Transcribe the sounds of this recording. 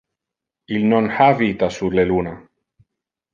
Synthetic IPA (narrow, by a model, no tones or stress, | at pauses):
ilnonhaβit̪asudleluna